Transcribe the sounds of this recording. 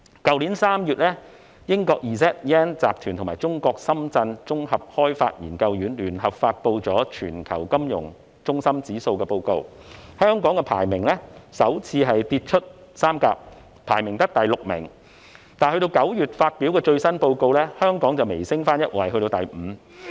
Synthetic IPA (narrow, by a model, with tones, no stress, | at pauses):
kɐ˨wliː˨˥nsaː˥mjyː˨t̚lɛː˥ | jɪ˥ŋkɔː˧k̚jiː˨sɛː˦˥t̚ɛː˥nt͡saː˨p̚t̪ʰyː˨nt̪ʰʊ˨˩maː˨˩jt͡sʊ˥ŋkɔː˧k̚sɐ˥mt͡sɐ˧nt͡sʊ˥ŋhɐ˨p̚hɔː˥jfa̰ː˧t̚jḭː˨˩nkɐ˧wjyː˨˥nlyː˨˩nhɐ˨pfaː˧t̚po˧wt͡sɔː˨˥t͡ʃʰyː˨˩nkʰɐ̰˨˩wkɐ˥mjʊ̰˨˩ŋ | t͡sʊ˥ŋsɐ˥mt͡siː˨˥so˧wkɛː˧po˧wko˧w | hœː˥ŋkɔː˨˥ŋkɛː˧pʰa̰ː˨˩jmɪ˨˩ŋlɛ˥sɐ˨˥wt͡sʰiː˧ɦɐ˨jt̪iː˧t̚t͡ʃʰɵ˥t̚ | saː˥mka̰ː˧p̚ | pʰaː˨˩jmɪ˨˩ŋt̪ɐ˥k̚t̪ɐ˨jlʊ˨k̚mɪ̰˨˩ŋ | t̪aː˨nhɵ˧ɥɾo˧wkɐ˨˥wjyː˨˩t̚faː˧t̚pi˨˥wkɛː˧t͡ʃɵ˧ɥsɐ˥npo˧wko˧wlɛː˥hœː˥ŋkɔː˨˥ŋt͡sɐ˨wme˨˩jsɪ˥ŋfaː˥njɐ˥t̚wɐ˨˩jɦɵ˧t̪o˧wt̪ɐ̰˨˩jm̩˨˧